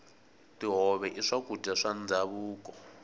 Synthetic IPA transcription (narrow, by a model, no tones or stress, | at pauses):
tiɦɔβɛʔiʂakudaʂand͡zaβuːkɔ